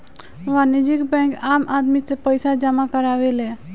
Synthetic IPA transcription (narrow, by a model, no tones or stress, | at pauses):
ʋanid͡ʒikbɛ̃kamʔad̪mit̪epəjsad͡ʒəmakəɾaʋelɛ